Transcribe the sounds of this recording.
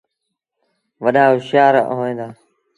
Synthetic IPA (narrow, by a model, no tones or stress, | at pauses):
ʋəɗaːʊʃjaːɾ̰ɦoːẽːd̪aː